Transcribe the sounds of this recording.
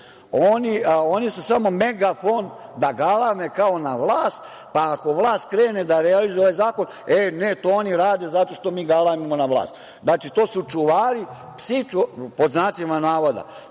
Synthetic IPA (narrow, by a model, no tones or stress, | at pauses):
onionisusamo̞me̞ɡafoːnd̪aɡalamekao̞naʋlaːst̪ | paːko̞ʋlˠaːst̪̚kɾeːned̪aɾealizooajzaːko̞n | enet̪ooniɾaːd̪e̞zat̪o̞ʃt̪o̞miːɡalˠaimamonaʋlˠa̰ːst̪ | d̪naːt͡ʃit̪oːsut͡ʃuʋaːɾi | psit͡ʃupo̞d̪znaːt̪simanaːʋod̪a̰